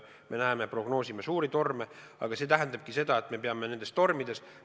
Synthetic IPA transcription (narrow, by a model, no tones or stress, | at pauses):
mʔe̞næemepro̞ɡ̥no̞ːsimesuːɾit̪o̞rme | ɑ̰ɡ̥ɑse̞ːt̪æɦænd̪ɑb̥̚kise̞d̪̥ɑe̞t̪ːˑme̞pe̞ɑme̞ne̞nd̪e̞st̪o̞rmid̪̥e̞s